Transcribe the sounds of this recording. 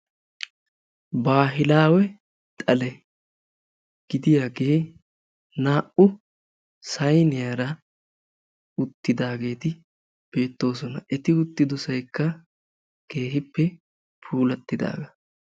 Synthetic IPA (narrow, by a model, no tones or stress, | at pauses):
baːɦɪlaːwɛ | t̪ʼɐlɛ | ɡ̥ɪd̪ɪjaːɡe̞ː | naːʔʊ | sɐjnɪjaːɾɐ | ʊt̪ːɪd̪aːɡe̞ːt̪ɪ | b̥e̞ːt̪ːo̞ːsɔnɐʔɛt̪ɪʊt̪ːɪd̪ɔsɐjkːɐ | ke̞ːɦɪpːɛ | pʰuːlɐt̪ːɪd̪a̰ːɡɐ